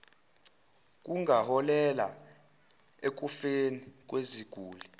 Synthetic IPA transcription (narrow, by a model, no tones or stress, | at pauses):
k̬ʼuŋʱahɔlɛla̰ | ek̬ufenik̬ʼweziɡ̥ʱuːlɛ